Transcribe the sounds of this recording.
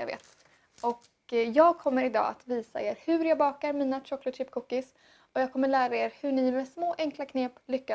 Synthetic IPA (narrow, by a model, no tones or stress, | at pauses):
jɑ̰ɡvḛːt̪ | ɔk | jɑːɡ̚kʰɔmːəɾɪd̪ɑ̰ːʔa̰t̪viːsa̰eːɾhɵɾjɑɡbɑːkaɾmiːnat̪ʰɾɔkːlʊt̪ɾɪpːkʰuːkːɪs | ɔjɑːɡ̚kʰɔmːəɭæːɾaeːɾhɵɳɪmɛsmoːʔɛŋklakʰneːplʏkːa